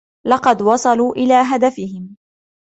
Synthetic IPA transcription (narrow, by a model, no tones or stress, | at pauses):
lɑqɑd̪wɑsˤɑluːʔɪlaːɦad̪afɪɦɪm